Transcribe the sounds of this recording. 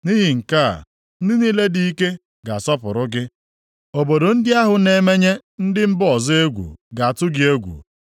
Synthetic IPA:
ni˦ɦi˨ŋ̩˨ka̰˦˨ | n̩˦dɪ˦niː˦le˦di˦i˦ke˦ | ɡa˨a˨sɔ˦pʊ˨ɾʊ˦ɡɪ˦ | o˨bo˨do˨n̩˦dɪ˦a˦ɦʊ˨ne˨me˦ɲe˦n̩˦dɪ˦m̩˦bɔ˨zɪ˦e˦ɡʷṵ˨ɡa˨a˨tʊ˦ɡɪ˦e˦ɡʷṵ˨

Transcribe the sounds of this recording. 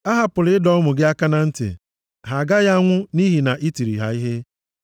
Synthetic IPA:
a˦ɦa˨pʊ˨lɪ˦ɪ˦dɔ˦ɔ˦mʊ˨ɡɪ˦a˦ka˦na˨n̩˦tɪ̰˨ | ɦa˨ɡa˦ɣa˦a˦ŋʷʊ˦ni˦ɦi˨na˨ʔi˦ti˨ɾḭ˨ɦa̰˨˦i˦ɦe˦

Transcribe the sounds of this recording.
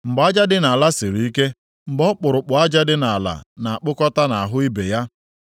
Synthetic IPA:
m̩˨ɡ͡ba˦d͡ʒa˦dɪ˦na˨la˦sɪ˨ɾi˨i˦ke˦ | m̩˨ɡ͡bɔ˦k͡pʊ˨ɾʊ˨k͡pʊ˨˦a˦d͡ʒa˦dɪ˦na˨a˨la̰˨na˨a˨k͡pʊ˦kɔ˦ta˦na˨a˨ɦʊ˦i˦be˨ja˦

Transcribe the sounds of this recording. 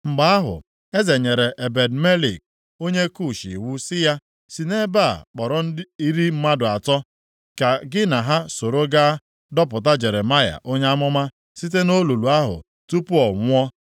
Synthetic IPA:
ŋ͡m̩˨ɡ͡ba˨a˦ɦʊ̰˨ | e˦ze˨ɲe˨ɾe˨ʔe˨be˨dme˦li˨k̚ | o˦ɲe˦ku˦˨ʃḭ˨wu˦sɪ˦ja˦ | si˨ne˦ba̰˦˨k͡pɔ˨ɾɔ˦n̩˦i˦ɾi˦m̩˦ma˦dʊ˨a˨tɔ˦ | ka˨ɡɪ˦na˨ɦa˦so˨ɾo˦ɡa˦ | dɔ˦p̬ʊ˨t̬a˦d͡ʒe˨ɾe˨ma˦ja̰˨ʔo˦ɲe˦a˦mʊ˦ma˦ | si˦t̬e˦no˦lu˨lu˨a˦ɦʊ̰˨ | tu˦pʊ˦ɔ˨ŋʷʊ˦ɔ˦

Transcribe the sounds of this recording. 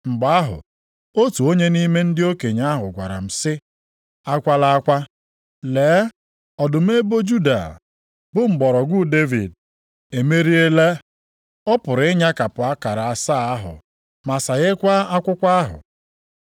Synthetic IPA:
ŋ͡m̩˨ɡ͡ba˨˦a˦ɦʊ̰˨ | o˦tu˨o˦ɲe˦ni˦me˦n̩˦dɪ˦o˦ke˨ɲa˦ɦʊ˨ɡʷa̰˨ɾa̰˨m̩˨sɪ˦ | a˦kʷa˦la˦a˦kʷa˦ | leː˨˦ | ɔ˨dʊ˨m̩˦e˦bo˦d͡ʒu˦da̰˨ | bʊ˦ŋ͡m̩˨ɡ͡bɔ˨ɾɔ˨ɡʷu˦de˦vḭ˨d̚ | e˨me˦ɾi˦e˦le˦ | ɔ˦pʊ˨ɾɪ˦ɲa˦ka˨pʊ˨a˦ka˨ɾa˨a˨sa˦˨a˦ɦʊ̰˨ | ma˨sa˨ɣɪ˦kʷa˦a˦kʷʊ˦kʷa˦ɦʊ̰˨

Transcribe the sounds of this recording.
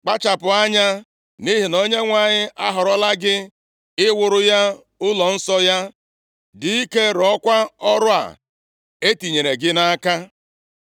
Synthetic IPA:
k͡pa˦t͡ʃa˨pʊ˨a˦ɲa˦ | ni˦ɦi˨no˦ɲe˦ŋʷa˨ɲɪ˦ʔa˦ɦɔ˨ɾɔ˦la˦ɡɪ˦ | ɪ˦wʊ˨ɾʊ˦ja˦ | ʊ˦lɔ˨n̩˦sɔ˦ja˦ | di˨i˦ke˦ɾɔ˦kʷa˦ɔ˦ɾʊ˦a̰˨ | e˦ti˨ɲe˨ɾe˨ɡɪ˦na˦ka˦

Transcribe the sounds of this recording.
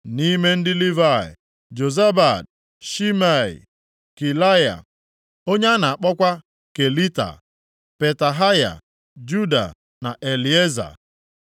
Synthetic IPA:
ni˦me˦n̩˦dɪ˦li˦va˦˨ɛ̰˨ | d͡ʒo˨za˦ba˨d̚ | ʃi˦ma˦˨ḭ˨ | ki˨la˦ja̰˨ | o˦ɲe˦a˦na˨a˨k͡pɔ˦kʷa˦ | ke˨li˦ta̰˨ | pe˨ta˨ɦa˦ja̰˨ | d͡ʒu˦da̰˨ | na˨ʔe˨li˨e˦za̰˨

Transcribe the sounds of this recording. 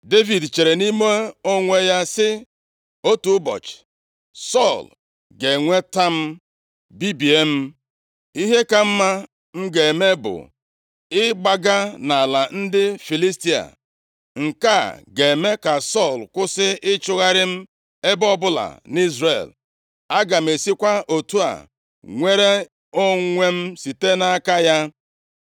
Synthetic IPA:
de˦vi˨dt͡ʃe˨ɾe˨ni˦me˦o˦ŋʷe˦ja˦sɪ˦ | o˦tu˨˦bɔ̰˨t͡ʃɪ̥˨ | sɔ˦˨l | ɡe˨ŋʷe˦ta˦m̩˦ | bi˦bi˨e˦m̩˦ | i˦ɦe˦ka˦m̩˦ma˦ | ŋ̩˦ɡe˨me˦bʊ̰˨ | ɪ˦ɡ͡ba˦ɡa˦na˨la˨n̩˦dɪ˦fi˨li˦sti˦a̰˨ | ŋ̩˨ka˦˨ɡe˨me˦ka˨sɔ˦˨lkʷʊ˦sɪ˦ɪ˦t͡ʃʊ˦ɣa˦ɾɪ˦m̩˦ | e˦bɔ˦bʊ˦la̰˨ni˦zrḛ˨l | a˦ɡa˨m̩˨e˨si˦kʷa˦ʔo˨tu˦a̰˨ | ŋʷe˦ɾe˦ | o˦ŋʷe˦m̩˦si˨te˦na˦ka˦ja˦

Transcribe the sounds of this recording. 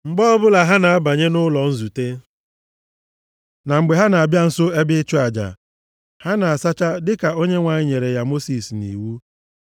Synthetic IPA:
ŋ͡m̩˨ɡ͡bɔ˦ɔ˦bʊ˦la˨ɦa˦na˨a˦ba˨ɲe˦nʊ˦lɔ˨n̩˦zu˨te˦ | na˨ŋ͡m̩˨ɡ͡be˨ɦa˦na˨a˨bja˦n̩˨so˦e˦bɪ˦t͡ʃu˦a˨d͡ʒa̰˨ | ha˦na˨a˨sa˦t͡ʃa˦dɪ˦ka˨o˦ɲe˦ŋʷa˨ɲɪ˦ɲe˨ɾe˨ja˨mo˦si˨snḭ˨wu˦

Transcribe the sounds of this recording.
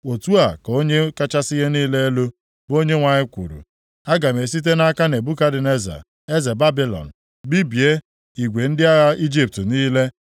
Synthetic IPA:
o˨tu˦a˨ko˦ɲe˦ka˦t͡ʃa˦sɪ˦ɣe˦niː˦le˦e˦lo˦ | bo˦ɲe˦ŋʷa˨ɲɪ˦kʷṵ˨ɾṵ˨ | a˦ɡa˨me˨s̬i˦t̬e˦na˦ka˦ne˨bu˦ka˦dɪ˨ne˦za̰˨ | e˦ze˨ba˦bi˦lɔ̰˨n̩˨ | bi˦bi˨e˦ | i˨ɡʷe˨n̩˦dɪ˦a˦ɣa˦i˦d͡ʒi˦p̚tniː˦le˦

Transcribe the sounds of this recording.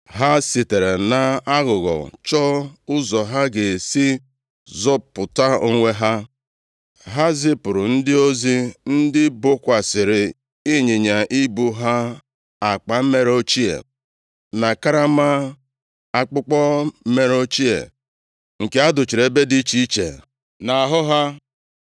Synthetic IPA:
ɦa˦sɪ˨te˨ɾe˨na˨a˦ɣʊ˨ɣɔ̰˨t͡ʃɔ˦ʊ˦zɔ˨ɦa˦ɡe˨si˦ | zɔ˦pːʊ˨ta˦o˦ŋʷe˦ɦa˦ | ɦa˦zɪ˦pʊ˨ɾʊ˨n̩˦dɪ˦o˦zi˦n̩˦dɪ˦bʊ˦kʷa˨sɪ˨ɾɪ˨ | i˦ɲe˨ɲa˨ʔi˦bu˦ɦa˦ | a˨k͡pa˨m̩˦me˦ɾo˦t͡ʃi˦ḛ˨ | na˨ka˦ɾa˦ma˦ | a˨k͡pʊ˦k͡pɔ˦me˨ɾo˦t͡ʃi˦ḛ˨ | ŋ̩˨ke˦a˦dʊ˨t͡ʃi˨ɾe˨be˦di˦t͡ʃi˦i˦t͡ʃḛ˨ | na˨a˨ɦʊ˦ɦa˦

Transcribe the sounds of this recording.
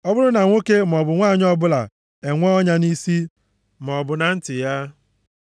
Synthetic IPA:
ɔ˦bʊ˦ɾʊ˦na˨ŋʷo˦ke˦m˨ɔ˨bʊ˨ŋʷaː˦˨ɲɔ˦bʊ˦la̰˨ | e˨ŋʷɔ˦ɔ˦ɲa˦ni˦si˦ | m˨ɔ˨bʊ˨na˨n̩˦tɪ˨ja˦

